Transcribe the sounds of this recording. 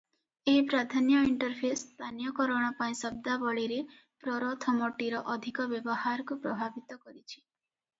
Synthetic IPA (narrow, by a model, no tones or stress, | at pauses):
eɦipɾad̪ʱanjɔiɳʈɔɾpʰest̪ʰanjɔkɔɾɔɽ̃apaĩsɔb̚d̪abɔɭiɾe | pɾɔɾɔt̪ʰɔmɔʈiɾɔʔɔd̪ʱikɔbjɔbɔhaɾɔkupɾɔbʱabit̪ɔkɔɾit͡ʃʰi̥